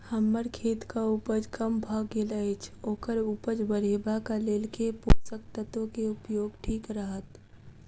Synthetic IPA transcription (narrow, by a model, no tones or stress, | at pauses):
həmːəɾkʰeːt̪kauːpəd͡ʒkəmbʱaːɡeːləet͡ʃʰoːkəɾuːpəd͡ʒbəɾeːbakaleːlkeposəkt̪ət̪õkeʊpjoːɡʈʰiːkɾəɦət̪